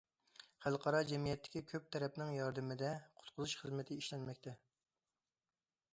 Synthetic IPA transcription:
χælˠqʰɑɾɑd͡ʒɛmijɛt̪ʰːɪ̥kʲikʲʰøp̚t̪ʰɛɾɛpnɪŋjɑɾd̪ɪmɪd̪ɛqʰʊ̥t̪qʰʊzuʃχəzmɪt̪ʰɪiʃlɛnmɛkʲt̪ʰɛ

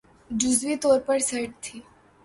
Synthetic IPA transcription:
d͡ʒuzʋit̪oɾpəɽsəʈt̪ʰiː

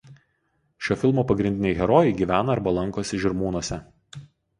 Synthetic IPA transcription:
ʃʲoːfʲɪlˠmoːpɐɡɾʲɪnʲd̪ʲɪnʲɛɪɣʲɛɾɔːjɛɪɡʲiːʋʲæːnɐːɾbɐlˠɐŋkoːsʲɪʒʲɪɾmuːnuɔsʲɛ

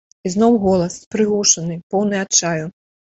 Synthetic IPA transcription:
iznɔwɣɔlˠɐspɾɨɣuʂɐnɨpɔwnɨjat͡ʂaju

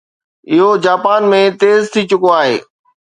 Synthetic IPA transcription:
ɪɦod͡ʑaːpaːnmẽt̪eːzt̪ʰit͡ɕʊkoaːɦḛː

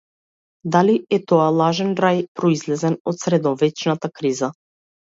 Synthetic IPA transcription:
d̪aliɛt̪ɔalˠaʒɛnɾajpɾɔizlɛzɛnɔt̪sɾɛd̪ɔvɛt͡ʃnat̪akɾiza

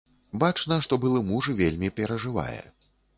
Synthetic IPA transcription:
bat͡ʂnɐʂt̪ɔbɨlˠɨmuʐɨvʲelʲmʲipʲɛɾɐʐɨva̰jɛ̰

